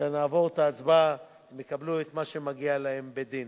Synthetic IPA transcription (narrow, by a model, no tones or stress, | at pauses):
anaːvo̞ʁt̪aːt͡sba | mekabluet̪maʃe̞maɡialahe̞mbed̪in